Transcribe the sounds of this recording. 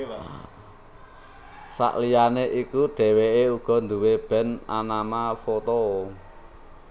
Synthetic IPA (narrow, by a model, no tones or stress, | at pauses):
sa̰ʔlijaneʔikuɖ̥ɛ̤weeuɡ̥ɔ̤nd̪uweb̥ɛ̤na̰namafot̪o